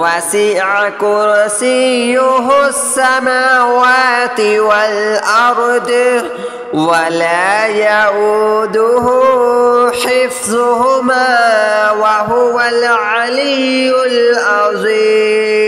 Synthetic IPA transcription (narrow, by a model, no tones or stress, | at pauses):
wasiʕakʊɾsijʊɦʊsːamaːwaːt̪ɪwalʔɑɾˤd̪ | walaːjaʔuːd̪ʊɦʊ | ħɪfzʊɦʊmaːwaɦʊwalʕalijʊlʔɑzˤiː